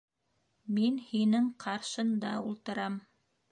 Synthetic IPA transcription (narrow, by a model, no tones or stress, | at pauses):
minhinɘŋqʰɑɾʃɤ̆nd̪ɑulˠt̪ɤ̆ɾɑm